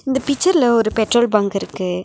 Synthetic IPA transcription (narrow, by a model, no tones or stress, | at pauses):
ɪnd̪ɐpɪt͡ʃːɐɾlɐɔɾɯpɛʈɾoːlbɐŋɡɪɾɯkːɯ